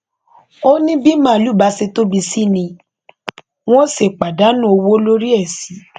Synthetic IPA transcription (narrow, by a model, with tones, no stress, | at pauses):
o˦nĩ˦bi˦mãː˦˨lu˨˦˨ba˨˧se˧to˦bi˧si˦nĩ˧ | w̃ɔ̃˦se˦˨k͡pa˨da˨˦nũ˦o˧wo˦lo˦ɾi˦ɛ˦˨si˨˦